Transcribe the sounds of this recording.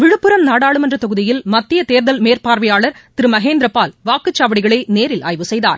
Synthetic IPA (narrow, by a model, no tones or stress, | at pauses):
ʋɪɻɯpːɯɾɐmnaːɽaːɭɯmɛndrɐt̪ɔɣɯðɪjɪlmɐt̪ːɪjɐt̪eːɾðɐlmeːrpaːɾʋɐjaːɭɐɾt̪ɪɾɯmɐɣeːnd̪ɾɐpːaːlʋaːkɯt͡ʃːaːʋɐɽɪɣɐɭɐɪneːɾɪlʔa̰ːjʋɯsɛjða̰ːɾ